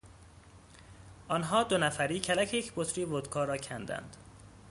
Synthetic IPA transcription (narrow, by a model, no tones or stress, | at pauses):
ʔɒːnɦɒːd̪onæfæɾiːcʰælæcʰejecʰbot̪ʰɾiːvod̪kʰɒːɾɒːcʰænd̪æ̰nd̪̥